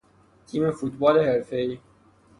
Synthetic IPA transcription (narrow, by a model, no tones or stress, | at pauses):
t̪ʰiːmefuːt̪bɒːleheɾfeiː